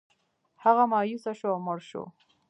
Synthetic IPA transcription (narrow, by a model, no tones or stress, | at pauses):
haɣamɑːjusaʃoawməɾʃo̰